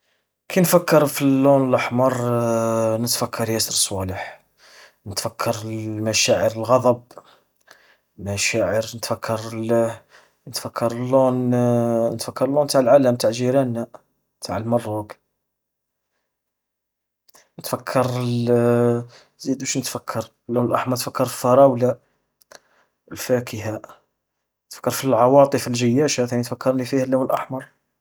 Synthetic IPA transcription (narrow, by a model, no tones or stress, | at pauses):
kʰinfækːɑɾˤfilːunələħmɑɾˤ | nət̪fækʰːɑɾˤjæsəɾəsˤwɑləħ | nət̪fækʰːɑɾəmæʃæʕəɾəlɣɑd̪ˤɑb̚ | mæʃæʕəɾnət̪fækʰːɑɾˤ | nət̪fækʰːɑɾˤəlːun | nət̪fækʰːɑɾˤəlːunt̪aʕəlʕaləmt̪aʕlʒiɾænæ | t̪ʰaʕəlmɑrˤːuɡ | nət̪fækʰːɑɾˤ | zid̪æʃnət̪fækʰːɑɾˤ | lːuwnəlʔɑħmɑɾˤt̪fəkːɑɾˤffɑɾˤɑwla | lfækʰəhæ | nət̪fə̥kːɑɾˤfilʕɑwɑt̪ˤəfəlʒəjːæʃæt̪æʕnint̪fækːɑɾˤnlifihælːuwnəlʔɑħmɑɾˤ